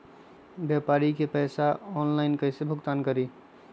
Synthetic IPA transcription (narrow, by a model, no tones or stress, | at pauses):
bjapaɾikepəjsaɔnlaɪnkəɪsebʱʊkt̪ankəɾi